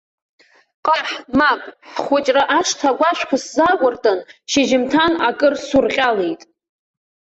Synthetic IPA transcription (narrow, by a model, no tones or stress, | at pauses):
qʼaħmakʷʼħħχʷʊt͡ʃʼraʔaʂtʰaɡʷaʃᶣʷkʷʰaszakʷʼʊrtʼanʃeʒɪmtʰanakʼɨrsurqʲʼalejtʼ